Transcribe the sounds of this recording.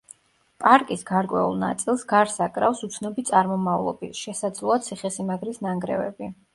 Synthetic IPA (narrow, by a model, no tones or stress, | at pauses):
pʼaɾkʼisɡaɾkʼwɛ̰ṵlˠna̰t̪sʼilˠsɡaɾsakʼɾafsut̪sʰnɔbit̪sʼaɾmɔmavlˠɔ̰bisʃɛsad̪zlˠɔat̪sʰiχɛsimaɡɾisnaŋɡɾɛ̰vɛ̰bi